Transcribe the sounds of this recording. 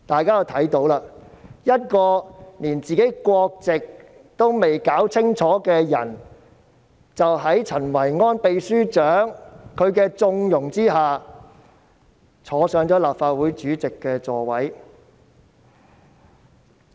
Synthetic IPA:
t̪aː˨jkaː˥ja˧wt̪ʰɐ˨˥jt̪o˨˧˥wlaː˧jɐ˥t̚kɔː˧niː˨˩nt͡siː˨ke˨˥jkʷwɔː˧k̚t͡sɪ˨k̚ | t̪o˥wme˨jkaː˨˥wt͡sʰɪ˥ŋt͡ʃʰɔː˨˥kɛː˧jɐ̰˨˩n | t͡sɐ˨wɦɐ˨˥jt͡sʰɐ˨˩nwɐ˨˩jŋɔː˥npe˧jsyː˥t͡ʃœː˨˥ŋkʰɵ˨˧ɥkɛː˧t͡sʊ˧ŋjʊ˨˩ŋt͡siː˥ɦaː˨˩ | t͡sʰɔː˨˧sœː˨˥ŋt͡ʃɔː˨˥laː˨p̚faː˧t̚wuː˨˥jt͡ʃyː˨˥t͡sɪ˨kːɛː˧t͡sɔː˧wɐ˨˥j

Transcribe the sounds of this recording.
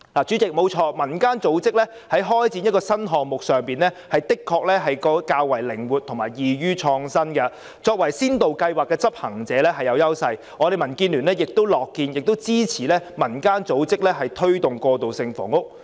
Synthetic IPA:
laː˨˩t͡syː˨˥t͡sɪ˨k̚mo˨˧wt͡ʃʰɔː˧mɐ˨˩nkaː˥nt͡so˨˥wt͡sɪ˥k̚lɛː˥ | hɐ˨˥jɦɔː˥jt͡siː˨˥njɐ˥t̚kɔː˧sɐ˥nɦɔː˨ŋmʊ˨k̚sœː˨˩ŋpiː˨nlɛː˥hɐ˨jt̪ɪ˥kʰːɔː˧k̚lɛː˥ɦɐ˨jkɔː˧kaː˧wwɐ˨˩jlɪ˨˩ŋwuː˨t̪ʰʊ˨˩ŋmaː˨˩jjiː˨ɥyː˥t͡ʃʰɔː˧ŋsɐ˥nkɐ˧ | t͡sɔː˧k̚wɐ˨˩jsiː˥nt̪o˨wkɐ˧jwaː˨˩kːɛː˧t͡sɐ˥p̚hɐ˨˩ŋt͡sɛː˨˦lɛː˥ɦɐ˨˩jɐ˨˧wjɐ˥wsɐ˧j | ŋʔɔː˨˧ɾe˨jmɐ˨˩nkiː˧nlyː˨˩nlɛː˥jɪ˨k̚t̪o˥wlɔː˨kːiː˧njɪ˨k̚t̪o˥wt͡siː˥t͡sʰiː˨˩lɛː˥mɐ˨˩nkaː˥nt͡so˨˥wt͡sɪ˥k̚lɛː˥ɦɐ˨jt̪ʰɵ˥ɥt̪ʊ˨ŋkɔː˧t̪o˨wsɪ˧ŋfɔ̰ː˨˩ŋʊ˥k̚

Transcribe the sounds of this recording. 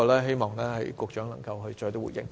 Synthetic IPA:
ɔ˨˧lɛː˦˥ɦe˥jmɔː˨˩ŋlɛː˥hɐ˨˥jkʊ˧k̚t͡ʃœː˨˥ŋlɐ˨˩ŋkɐ˧wɦɵ˧ɥt͡ʃɔː˧jt̪oː˥wṵ˨˩jɪ̰˨˩ŋ

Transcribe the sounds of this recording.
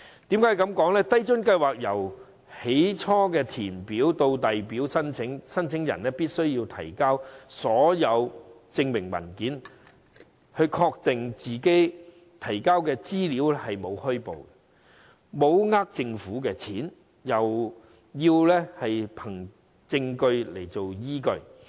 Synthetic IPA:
t̪iː˨˥mkaː˨˥jkɐ˨˥mkɔː˨˥ŋlɛː˥t̪ɐ˥jt͡ʃɵ˥nkɐ˧jwaː˨k̚jɐ˨˩w | he˨˥jt͡ʃʰɔː˥kɛː˧t̪ʰiː˨˩npiː˨˥wt̪o˧wt̪ɐ˨jpiː˨˥wsɐ˥nt͡sʰɪ˨˥ŋsɐ˥nt͡sʰɪ˨˥ŋjɐ̰˨˩nlɛː˥piː˥t̚sɵ˥ɥjiː˧wt̪ʰɐ˨˩jkaː˥wsɔː˨˥jɐ˨˧w | t͡sɪ˧ŋmɪ˨˩ŋmɐ̰˨˩nkiː˨˥n | hɵ˧ɥkʰɔː˧k̚t̪ɪ˨ŋt͡siː˨ke˥j | t̪ʰɐ˨˩jkaː˥wkɛː˧t͡siː˥liː˨˥wlɛ˥hɐ˨jmo˨˧whɵ˥po̰˨wkɛ˧ | mo˨˧wŋaː˥k̚t͡sɪ˧ŋfuː˨˥kɛː˧t͡sʰiː˨˥n | jɐ˨˩w | jiː˧wlɛː˥hɐ˨jpʰɐ˨˩ŋ | t͡sɪ˧ŋkɵ˧ɥle˨˩jt͡so˨wjiː˥kɵ˧ɥ

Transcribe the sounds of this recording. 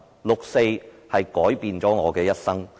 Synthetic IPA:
lʊ˨k̚se˧j | hɐ˨jkɔː˨˥jpiː˨nt͡sɔː˨˥ŋɔː˨˧kɛː˧jɐ˥t̚sɐ˥ŋ

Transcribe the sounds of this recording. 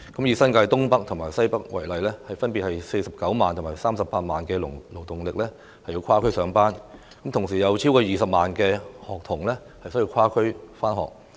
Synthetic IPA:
kɐ˨˥mjiː˨˩sɐ˥nkaː˧jt̪ʊ˥ŋpɐ˥k̚t̪ʰʊ˨˩ŋmaː˨˩jsɐ˥jpɐ˥k̚wɐ˨˩jlɐ˨jlɛː˥hɐ˨jfɐ˥npi˨thɐ˨jse˧jsɐ˨p̚kɐ˨˥wmaː˨nt̪ʰʊ˨˩maː˨˩jsaː˥msɐ˨pːaː˧t̚maː˨nkɛː˧lʊ˨˩lo˨˩wt̪ʊ˨ŋlɪ˨k̚lɛː˥ | hɐ˨ji˧wkʰaː˥kʰɵ˥ɥsœː˨˧ŋpaː˥n | kɐ˨˥mt̪ʰʊ˨˩ŋs̬iː˨˩jɐ˨˧wt͡sʰiː˥wkɔː˧jiː˨˩sɐ˨p̚maː˨nkɛː˧hɔː˨k̚t̪ʰʊ˨˩ŋlɛː˥ | hɐ˨jsɵ˥jiː˧wkʰwaː˥kʰɵ˥ɥfaː˥nhɔ̰ː˨k̚

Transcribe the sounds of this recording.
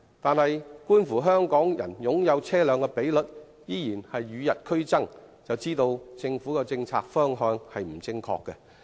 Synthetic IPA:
t̪aː˨nhɐ˨jkuː˥nfuː˨˩ɦœː˥ŋkɔː˨˥ŋjɐ̰˨˩njʊ˨˥ŋjɐ˨˧wt͡sʰɛː˥lœː˨˧ŋkɛ˧pe˨˥jlɵ˨t̚ | jiː˥jiː˨˩nhɐ˨jːyː˨˧jɐ˨t̚kʰɵ˥ɥt͡sɐ˥ŋt͡sɐ˨wt͡siː˥t̪o˧wt͡sɪ˧ŋfu˨˥kɛ˧t͡sɪ˧ŋt͡sʰa̰ː˧k̚fœː˥ŋɦœː˧ŋhɐ˨jm̩˨˩t͡sɪ˥ŋkʰɔ̰ː˧kːɛ˧

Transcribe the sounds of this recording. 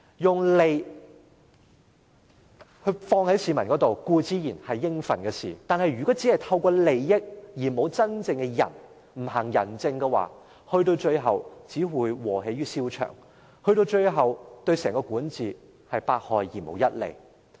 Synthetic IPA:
jʊ˨ŋle˨j | hɵ˧fɔː˧ŋhɐ˨˥jsiː˨˧mɐ˨˩nkɔː˨˥t̪o˨wkuː˧t͡siː˨˥jiː˨˩nhɐ˨jːɪ˥ŋfɐ˨˩nkɛ˧sḭː˨˩t̪aː˨nɦɐ˨jɥyː˨˩kɔː˨˥t͡siː˨˥hɐ˨˩jt̪ʰɐ˧wkɔː˧le˨˩jːɪ˥k̚jiː˨˩mo˨˧wt͡sɐ˥nt͡sɪ˧ŋkɛ˧jɐ̰˨˩n | m̩˨˩hɐ˨˩ŋjɐ̰˨˩nt͡sɪ˧ŋkɛ˧wa̰ː˨˩ | hɵ˧ɥt̪o˧wt͡ʃɵ˧ɥɦɐ˨wt͡siː˨˥wuː˨˧jwɔː˨˩ɦe˨˧˥jɥyː˥siː˥wt͡ʃʰœ̰ː˨˩ŋ | hɵ˧ɥt̪̬o˧wt͡ʃɵ˧ɥɦɐ˨wt̪ɵ˧ɥsɛː˨˩ŋkɔː˧kuː˨˥nt͡siː˨ | hɐ˨jpaː˧k̚hɔː˨˧jjiː˨˩mo̰˨˥wjɐ˥t̚lḛ˨˩j

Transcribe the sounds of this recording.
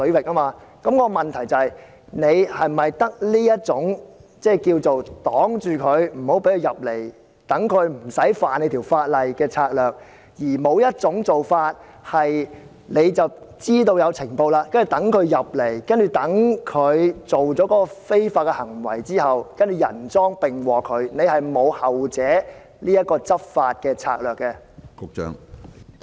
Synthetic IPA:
ɵ˨˥wɪ˨k̚ʔaː˥maː˧kɐ˨˥mkɔː˧mɐ˨nt̪ʰɐ˨˩jt͡sɐ˨ɐ˨j | ne˨˧jhɐ˨jm˩˨ɐ˨jt̪ɐ˥k̚liː˥jɐ˥t̚t͡sʊ˨˥ŋt͡sɛː˥˩kiː˧wt͡so˨wt̪ɔː˨˥ŋt͡ʃyː˨kʰɵ˨˧ɥm̩˨˩ho˨˥wpe˨˥kʰɵ˧jɐ˨p̚le˨˩j | t̪ɐ˨˥ŋkʰɵ˨˧ɥm̩˨˩sɐ˨˥jfaː˨ne˧t̪ʰi˨˩wfaː˧t̚lɐ˨jkɛː˧t͡sʰaː˧k̚lœː˨k̚ | jiː˨˩mo˨˧wjɐ˥t̚t͡sʊ˨˥ŋt͡so˨wfaː˧t̚ | hɐ˨j | ne˨˧jt͡sɐ˨wt͡siː˥t̪o˧wjɐ˨˧wt͡sʰɪ˨˩ŋpo˧wlaː˧kɐ˥nt͡ʃyː˨˩t̪ɐ˨˥ŋkʰɵ˨˧ɥjɐ˨p̚le˨˩jkɐ˥nt͡ʃyː˨t̪ɐ˨˥ŋkʰɵ˨˧ɥt͡so˨wt͡sɔː˨˥kɔː˥kɔ˧fe˥jfaː˧t̚kːɛ˧hɐ˨˩ŋwɐ̰˨˩jt͡siː˥hɐ˨wkɐ˥nt͡ʃyː˨˩jɐ̰˨˩nt͡sɔː˥ŋpɪ˨ŋwɔː˨kʰɵ˨˧ɥne˨˧jhɐ˨jmo˨˧whɐ˨wt͡sɛː˨˥ | liː˥jɐ˥t̚kːɔː˧t͡sɐ˥p̚faː˧t̚kɛː˧t͡sʰa̰ː˧k̚lœː˨kːɛ˧ | kʊ˨˧k̚t͡ʃœ̰ː˥ŋ

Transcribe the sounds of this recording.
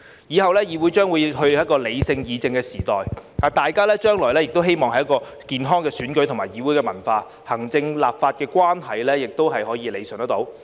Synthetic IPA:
jiː˨˧hɐ˨wlɛː˥jiː˨˧wuː˨˥jt͡ʃœː˥ŋwuː˨˧jɦɵ˧ɥjɐ˥t̚kɔː˧le˨˧jsɪ˧ŋjiː˨˧t͡sɪ˧ŋkɛː˧siː˨˩t̪ɔ̰ː˨jaː˨t̪aː˨jkaː˥lɛː˥t͡ʃœː˥ŋlɔː˨˩jlɛː˥jɪ˨k̚t̪o˥wɦe˥jmɔː˨ŋhɐ˨˦jɐ˥kɔː˧ | kiː˨nɦɔː˥ŋkɛː˧syː˨˥nkɵ˨˥t̪ʰŋmaː˨jiː˨˧wu˨˥jkɛː˧mɐ˨˩nfaː˧ | hɐ˨˩ŋt͡sɪ˧ŋlaː˨p̚faː˧t̚kɛː˧kʷwaː˥nɦɐ˨jlɛː˥jɪ˨k̚t̪o˥wɦɐ˨jhɔː˨˥jiː˨˧le˨˧jsɵ˨nt̪ɐ˥t̪o̰˨˥w

